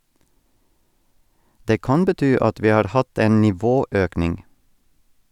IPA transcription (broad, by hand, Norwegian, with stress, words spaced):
ˈdeː ˈkɑn bəˈtyː ˈɑt ˈʋiː ˈhɑːɾ ˈhɑt ˈeːn nɪˈʋoːˌøːknɪŋ